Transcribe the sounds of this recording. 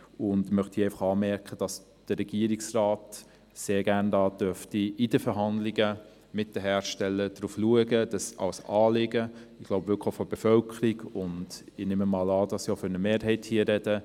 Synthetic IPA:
ʊndmœχtiɛɪfɑχɑːmɛɾkχəd̥ɑs | d̥əɾɛɡ̥iəɾiksrɑːt | seːɾɡæɾndɑːd̥œftiɪd̥əfəɾɦɑndliɡə | mɪt̚d̥əɦæːɾʃtɛlːəd̥ɾuːfluəɡəd̥ɑsɑ̰wsɑːlɪɡəɪɡ̥loʊbvɪlkʰχəfɔb̥ɛfœlkʰəɾiɡʊndɪnɪːməmɑːlɑːdɑsioføɾnəmeːɾɦɛɪthiːəɾɛd̥ə

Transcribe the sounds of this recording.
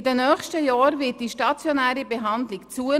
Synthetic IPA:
dɛnœxʃtəjɑːɾvɪt̚d̥iʃtɑt͡sjɔnæːɾibɛɦɑnd̪lɪkt͡suə

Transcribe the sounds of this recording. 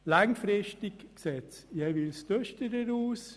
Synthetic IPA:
laŋfɾɪʃtɪkksɛt͡sjɛʋilst̪œʃtəɾəɾuːs

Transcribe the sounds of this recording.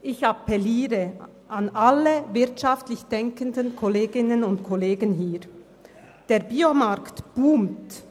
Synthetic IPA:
ʔɪçapɛliːʁə | ʔanʔalːəvɪʁtʃaftlɪçd̥ɛŋkəndənkʰɔleːɡɪnənʊntkʰɔleːɡənɦiːʁ | d̥eːʁbiomaʁktb̥uːmt

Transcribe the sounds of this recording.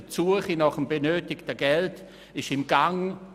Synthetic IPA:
t͡suəχinaχəmbenøːtɪktəɡɛlt | ɪʃɪmɡaŋ

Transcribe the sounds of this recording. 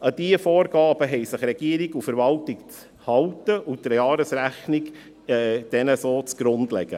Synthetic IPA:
əd̥iəfoːɾɡ̥ɑːb̥əɦɛjsɪχɾɛɡ̥iːɾɪɡufəɾvɑltɪkt͡s | hɑltəʊt̪ɾjɑːɾəsɾæχnɪk | ɛd̥ɛnəsoːt͡sɡ̥ɾʊndlɛ̰ɡ̥ə̰

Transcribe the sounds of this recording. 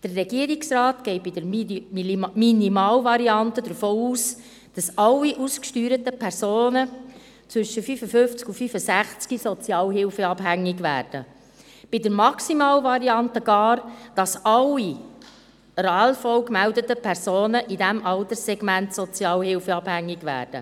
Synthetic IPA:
d̥ərːɛɡ̥iəɾiksrɑːt̪ɡ̥ɛɪt̚bid̥əɾ | minimɑːlvɑɾiɑntəd̪əɾfoːuːs | d̥ɑsɑlːiʔuskʃtyːɾət̪əpʰɛɾsoːnə | t͡sʋʏʃəfyːfəfʏnft͡skufyfəsæχt͡skisɔt͡sjɑːlɦɪlfəɑbɦæŋːiɡʋæ̰ːɾd̥ə̰ | b̥idəɾmɑksimɑːlʋɑɾiɑntəɡ̥ɑːɾd̥ɑsɑlːi | ɾɑːlfɔwkmældət̪əpʰɛɾsoːnəʔidæmʔɑlt̪əsɛɡmæntsɔt͡sjɑːlhɪlfəɑb̥hæŋːiɡʋæ̰ːrd̥ə̰

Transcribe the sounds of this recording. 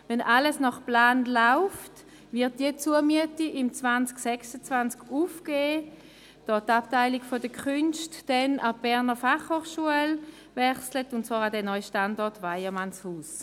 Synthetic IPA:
vɛnaləsnɔχplaːnlaʊft | vɪɐt̚d̥iət͡suəmyətiʔɪmt͡svant͡sksɛksət͡svant͡skufɡ̥eː | d̥ɔːtaptaɪliɡfɔdəkʰχʏnʃtd̥ɛnab̥ɛʁnəfaχhoːχʃuəl | vɛχslətʊnt̚t͡svɑːʁadɛnɔʏʃtandɔɐtvaɪəmanshuːs

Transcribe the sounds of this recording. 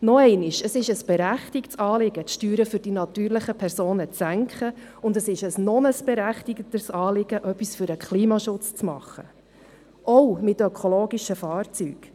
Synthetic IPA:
nɔɛɪnɪʃəsɪʃəsb̥ɛɾæχtɪktsɑːlɪɡətʃtyːɾəfʏɾd̥inɑt̪yːɾləχəpʰɛɾsoːnət͡sːæŋkχə | ʊndəsɪʃəsnɔnəsb̥ɛɾæχtɪɡətəsɑːlɪɡ̥əʔœpːisfʏɾəkχliːmɑʃʊt͡st͡smɑ̰χːə | ʔɔwmɪtœkʰoloːɡiʃəfɑːɾt͡syːɡ̥

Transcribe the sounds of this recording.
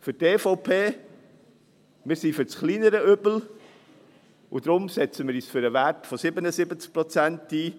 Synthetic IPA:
fʏɾteːfɔʊpʰeː | mɪːɾsifʏɾt͡sχliːnəɾəøbl̩ | ʊd̪ɾʊmsɛt͡səmɪːɾiːsfʏɾəʋæɾtfɔsɪbənəsɪbət͡sk̚pɾɔt͡sæntiː

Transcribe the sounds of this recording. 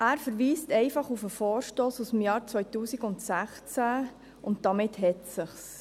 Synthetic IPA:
æːɾfəɾʋiːstɛɪfɑχufəfɔːɾʃtoːsusm̩jɑːɾt͡sʋvœʏtuːsiɡʊntsæχt͡sæ | ʊnt̚d̥ɑmɪtɦɛtsəχs

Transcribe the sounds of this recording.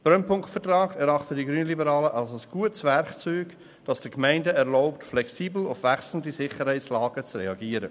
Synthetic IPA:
b̥ɾœnpʊŋktfətrɑːɡɛɾɑχtədiɡɾyːnəlibəɾɑːləʔɑlsəsɡ̥uətsʋɛɾkt͡syːɡ | d̥ɑsd̥əkmɛɪndəɛɾlɔʊptflɛksiːbl̩ʊfʋæksln̩disɪχəɾhɛæɪtslɑːɡ̥ət͡srɛɑɡiːəɾə

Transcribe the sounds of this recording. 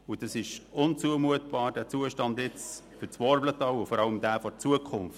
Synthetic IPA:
ʊd̥ɑsɪʃʊnt͡suəmuətb̥ɑːɾd̥æːt͡suəʃtɑndɪt͡sfʏɾt͡sʋɔɾblətɑwʊfɔɾɑləmd̥æːfɔɾt͡suəkʰχʊnft

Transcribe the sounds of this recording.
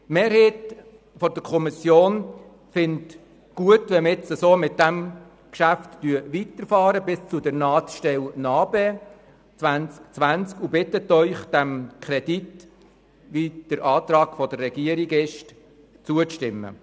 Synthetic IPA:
meːɾɦeːt | fɔd̥əkʰɔmisjoːn | fɪnt | ɡ̥uətʋɛmɪt͡səsoːmɪt̚dæm | kʃæftːyəʋit̪əɾfɑːɾəbɪst͡sudəɾnɑːt͡sʃtɛlnɑːbeː | t͡sʋænt͡skt͡sʋænt͡skubɪtətœʏχd̥æmkʰɾɛdit | ʋid̥əɾɑːt̪ɾɑːɡ̥fɔd̥ərːɛɡ̥iəɾiɡɪʃt | t͡suəʃtɪmːə̰

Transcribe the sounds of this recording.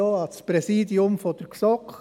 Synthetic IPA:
oɑlspɾɛsiːdiʊmfɔd̥əɾksɔk

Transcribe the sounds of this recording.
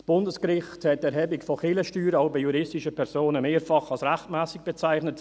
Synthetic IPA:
sb̥ʊndəskɾɪχthɛtɛɾhɛbɪkfɔχɪləʃtyːɾəɑʊbiɪjuɾɪstɪʃəpʰɛɾsoːnəmeːɾfɑχɑlsɾæχtmɛːsɪk̚b̥ɛt͡saɪχnət

